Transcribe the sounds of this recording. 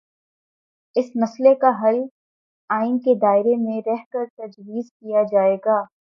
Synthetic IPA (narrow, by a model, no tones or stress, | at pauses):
ɪsmɐslekaɦɐl | aːɪnked̪aːɪɾemẽɾɛɦkɐɾt̪ɐd͡ʒwiːzkijad͡ʒaːeːɡaː